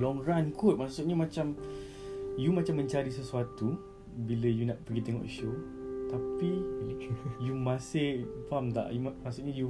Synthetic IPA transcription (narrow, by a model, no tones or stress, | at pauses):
lɔŋrankʰʊt̪̚maʔsʊʔɲamat͡ʃam | jumat͡ʃamːə̃ɲt͡ʃaɾis̬əsuat̪u | bilajunaʔpəɡit̪ɛŋɔ̰ʔʃot̪api | jumãsɪhfamt̪a̰ʔjumasʊʔɲaju